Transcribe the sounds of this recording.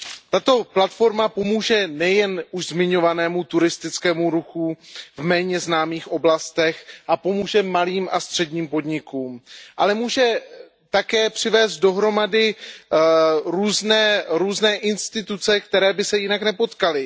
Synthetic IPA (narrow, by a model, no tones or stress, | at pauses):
t̪at̪o̞plat̪fo̞ɾmapo̞muːʒɛnɛjɛnuʃzmɪɲo̞vanɛːmut̪uɾɪst̪ɪt͡skɛːmuɾuxuvmɛːɲɛznaːmiːxʔo̞blast̪ɛxʔapo̞muːʒɛmaliːmʔast̪r̝̥ɛdɲiːmpo̞dɲɪkuːmʔalɛmuːʒɛ | t̪akɛːpr̝̥ɪvɛːst̪̚do̞ɦɾo̞madɪ | ɾuːznɛːɾuːznɛːʔɪnst̪ɪt̪ut͡sɛk̚t̪ɛɾɛːbɪsɛjɪnaknɛpo̞t̪kalɪ